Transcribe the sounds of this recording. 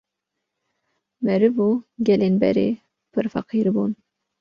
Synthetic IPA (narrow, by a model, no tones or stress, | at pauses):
mɛɾɨvuːɡʲɛlenbɛ̰ɾḛː | pʰɨɾfɑ̰qʰiːɾbun